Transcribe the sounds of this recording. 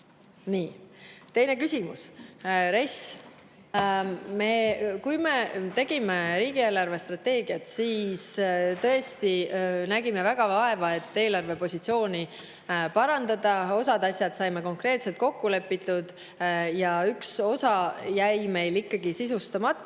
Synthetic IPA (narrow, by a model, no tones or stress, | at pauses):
niːt̪e̞jne̞kysʲimusɾes | me̞kujme̞t̪e̞ɡ̥ime̞ɾiːɡ̥ie̞ːlɑrve̞st̪rɑt̪e̞ːɡ̥iɑt̪siːst̪ɤ̞est̪inæɡime̞væɡ̥ɑvɑe̞vɑe̞t̪ːe̞ːlɑrve̞po̞sʲit̪sio̞ːni | pɑɾɑnd̪̥ɑd̪ɑo̞sɑd̪ɑsʲjɑd̪̥sɑjmeko̞ŋkre̞ːt̪se̞lt̪̚ko̞kːule̞pːit̪ːud̪̥ | jɑykso̞sɑjæjme̞jlikːɑɡ̥isisust̪ɑmɑt̪ːˑ